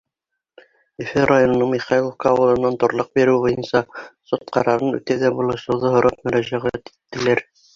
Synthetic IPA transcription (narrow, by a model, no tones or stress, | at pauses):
ɘ̆fɘrajonŏnɤɴmiχɑjlˠofkɑːwɤ̆lˠɤ̆nːɑnt̪ŏɾlˠɤq̚biɾɘwbojɤnsɑsot̪̚qɑɾɑɾɤnʉ̰t̪æðæbulˠɤʃɤ̆wðɤɦŏɾɑp̚mɵ̆ɾæʒæʁæt̪i̥t̪ːɘ̆læɾ